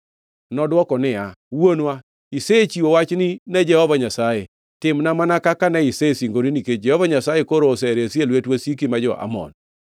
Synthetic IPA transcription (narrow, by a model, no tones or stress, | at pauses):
nɔdwɔkɔnɪawonwa | iset͡ʃiowat͡ʃnɪnɛd͡ʒɛhɔvaɲasaje | tɪmnamanakakanɛɪsesiŋɡoɾiniked͡ʒɛhɔvaɲasajekoɾoːsɛɾeselwetwesik̬imad͡ʒɔ̰ʔa̰mɔ̰n